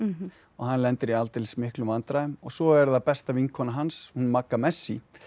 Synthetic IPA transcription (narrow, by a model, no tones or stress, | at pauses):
ɔɣɦanlɛnt̪ɪɾialt̪ɪlsmɪhklʏmvant̪ɾajʏmɔɣsɔɛɾðapɛst̪avinkʰɔnaɦanshunmakːamɛsːi